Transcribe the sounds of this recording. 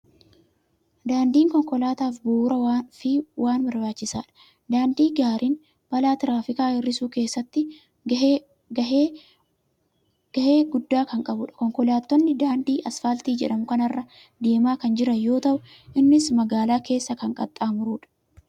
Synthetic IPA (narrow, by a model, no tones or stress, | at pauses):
d̪aːnd̪iːŋkɔŋkʼɔlaːt̪aːfbuːɾɐfɪwʔaːnbɐɾbaːt͡ʃːɪsaːᶑɐ̥ | d̪aːnd̪iːɡaːɾiːn | b̥ɐlaːt̪ɪɾaːfɪkaːhɪrːɪsuːke̞ːsːɐt̪ːɪ | ɐ | ɡ̥ɐʔeːɡʊd̪ːaːkɐŋkʼɐbʊᶑɐ̥kɔŋkɔlaːt̪ːɔnːɪd̪aːnd̪iːʔɐsfalt̪iːd͡ʒɛ̰ᶑɐmʊkɐnɐrːɐ | d̪e̞ːmaːkɐnd͡ʒɪɾɐjo̞ːt̪ɐʔʊ | ʔɪnːɪsmɐɡaːlaːke̞ːsːɐkɐŋkʼɐt̪ʼːaːmʊɾuːᶑɐ̥